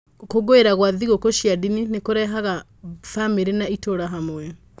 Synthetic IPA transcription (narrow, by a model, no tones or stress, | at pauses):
koɡoeɾaɣwaðiɣokoʃjadininekoɾɛɦaɣa | fameɾenaitoɾaɦamwwɛ